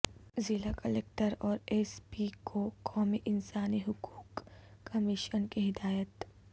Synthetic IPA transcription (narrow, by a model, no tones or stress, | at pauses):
zɪlakɐleːk̚ʈəɾɔːɾeːspikʰokʰɔːmiʔɪnsaːniɦʊkuːkːɐmɪʃənkiɦɪd̪aːjət̪